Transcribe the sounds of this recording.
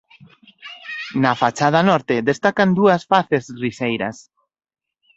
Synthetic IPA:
nafat͡ʃað̞anɔɾt̪eðest̪akand̪uasfaθezrisejɾa̰s

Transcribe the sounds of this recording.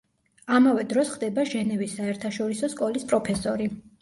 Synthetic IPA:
amavɛd̪ɾɔsχd̪ɛbaʒɛnɛvisːaɛɾt̪ʰaʃɔɾisɔskʼɔlispʼɾɔpʰɛsɔɾi

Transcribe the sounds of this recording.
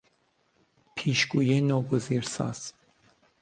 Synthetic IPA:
pʰiʃɡujɛnɔɡəziɾsa̰s

